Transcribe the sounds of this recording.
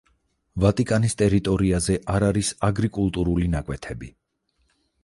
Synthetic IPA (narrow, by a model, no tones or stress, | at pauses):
vat̪ʼikʼanist̪ʼɛɾit̪ʼɔɾiazɛʔaɾaɾisaɡɾikʼulˠt̪ʼuɾulinakʼwɛt̪ʰɛbi